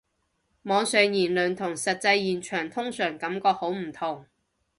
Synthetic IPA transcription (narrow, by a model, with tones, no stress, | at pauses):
mɔː˨˧ŋsœː˨ŋjiː˨˩nlɵ˨nt̪ʰʊ˨˩ŋsɐ˨t̚t͡sɐ˧jjiː˨˩nt͡ʃʰœː˨˩ŋt̪ʰʊ˥ŋsœː˨˩ŋkɐ˨˥mkɔː˧k̚ho˨˥wm̩˨˩t̪ʰʊ˨˩ŋ